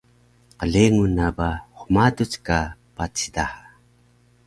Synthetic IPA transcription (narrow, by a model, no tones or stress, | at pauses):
qəɮeŋunabaχʷmadut͡skapat͡sid̪aha